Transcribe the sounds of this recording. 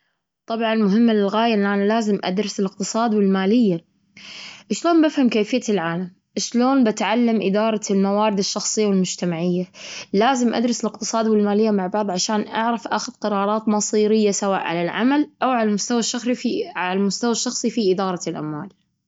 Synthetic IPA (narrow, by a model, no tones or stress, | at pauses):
t̪ˤɑbʕɑnlmʊɦɪmːalɪlɣaːjaʔɪnːʔaːnalaːzɪmʔa̰d̪ɾˤɑsɪlɪqt̪ɨsˤɑːd̪wɪlmaːlɪjːa | ʔɪʃloːnbafhamkeːfɪjːalʕaːlam | ʔɪʃloːnbɪt̪ʕalːamʔɪ̰d̪ɑːɾˤɑlmawaːɾɪd̪ɪʃːɑxsˤɨjːawɪlmʊd͡ʒt̪amaʕɪjːalaːzɪmʔa̰d̪ɾɑsɪlɪqt̪ɨ̥sˤɑːd̪wɪlmaːlɪjːamaʕbɑʕðˤʕaʃaːnʔaʕɾɑfʔaːxʊðqɑɾˤɑːɾˤɑːt̪nɑsˤiːɾɪjːasawa̰ːʔʕa̰lalʕa̰malʔawʕalamʊst̪awaʃːɑxʕalalmʊst̪awaʃːɑxsˤifiʔɪd̪ɑːɾˤɑlʔa̰mwaːl